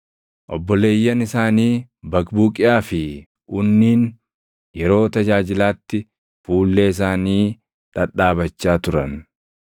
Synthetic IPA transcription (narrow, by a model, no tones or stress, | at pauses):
ʔɔbːɔle̞ːjːɐnɪsaːniː | bɐkbuːkʼɪaːfɪ | ʔʊnːiːn | jɛɾo̞ːt̪ɐd͡ʒaːd͡ʒɪlaːt̪ːɪ | fuːlːeːɪs̬aːniː | ᶑɐᶑaːβɐt͡ʃːaːt̪ʊɾɐn